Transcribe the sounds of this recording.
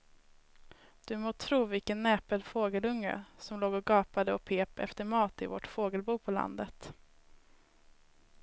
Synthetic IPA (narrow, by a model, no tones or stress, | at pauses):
d̪̥ɵmoːt̪ʰɾuːvɪlkənːɛːpəlfoːɡəlɵŋːə̰sɔmloːɡɔɡɑːpad̪əɔpʰeːpɛ̰ft̪əɾmɑːt̪ɪ̰vɔ̰ʈfoːɡəlbuːpʰɔla̰nd̪ət̪